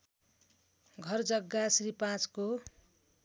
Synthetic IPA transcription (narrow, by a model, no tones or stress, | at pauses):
ɡʱʌrd͡zʌɡːasripãt͡sko